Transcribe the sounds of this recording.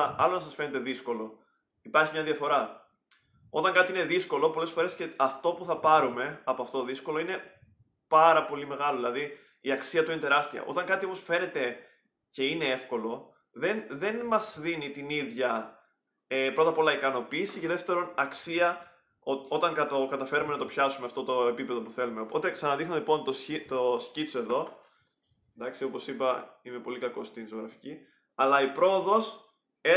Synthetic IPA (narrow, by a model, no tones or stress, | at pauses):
ɐ̰lonɐsɐsfe̞ne̞t̪e̞ðisko̞lo̞ | ipɐɾçimɲɐðiɐfo̞ɾɐ | o̞t̪ɐŋkɐt̪iineðisko̞lo̞po̞lesfo̞ɾe̞sceɐft̪o̞puθɐpɐɾume̞ɐpoɐft̪oðisko̞lo̞ine̞ | pɐɾɐpo̞lime̞ɣɐloðilɐði | iɐksiɐt̪uine̞t̪e̞ɾɐst̪iɐ̰ʔo̞̰t̪ɐŋkɐt̪io̞po̞sfe̞ne̞t̪e̞ | ce̞ine̞e̞fko̞lo̞ | ðe̞nðe̞nmɐzðinit̪iniðʝɐ | epɾo̞t̪ɐpo̞lɐikɐno̞piːsiceðeft̪e̞ɾo̞nɐksiɐ | oo̞t̪ɐŋkɐt̪okɐt̪ɐfe̞ɾumenɐt̪o̞pçɐsumeɐft̪o̞t̪o̞epipe̞ðo̞puθe̞lume̞opo̞t̪e̞ksɐnɐðixnolipo̞nt̪osit̪oscit͡soe̞ðo̞ | ed̪ɐksio̞po̞sipɐime̞po̞likɐko̞st̪inzo̞ɣɾɐfi̥ci | ɐlɐipɾo̞oðo̞s | e